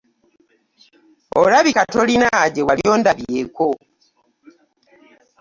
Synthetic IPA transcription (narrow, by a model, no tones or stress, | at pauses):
o̰laβikato̞linaɟewaljo̞ːndaβje̞ko